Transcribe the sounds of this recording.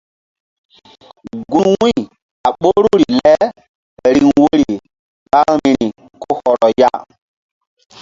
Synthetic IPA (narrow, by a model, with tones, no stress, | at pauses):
ɡu˨˦nwi˦˨ | a˨ɓo˦ɾu˦ɾi˨lɛ˦ | ɾi˨nwo˦ɾi˨ | ɓa˦ŋmi˨ɾi˨ | ko˦hɔ˨ɾɔ˨ja̰˦